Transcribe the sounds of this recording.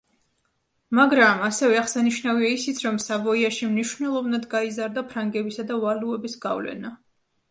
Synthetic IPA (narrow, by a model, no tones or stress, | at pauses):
maɡɾamasɛvɛaχsaniʃnaviaisit̪sʰɾɔmsabɔiaʃimniʃvnɛlˠɔvnad̪ɡaizaɾd̪apʰɾaŋɡɛbisad̪avaluɛbisɡa̰vlɛ̰na